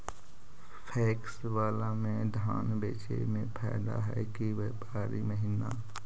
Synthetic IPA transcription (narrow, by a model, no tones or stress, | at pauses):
pʰɛːks | waːlamẽd̪ʱaːnbeːt͡ʃḛmẽpʰɛ̰ːd̪a̰ɦɛ̰kiʋeːpaːɾiməɦɪna